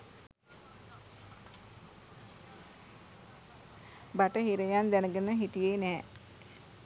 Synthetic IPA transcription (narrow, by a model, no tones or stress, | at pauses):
baʈəɦiɾəjand̪ænəɡənəɦiʈijenɛː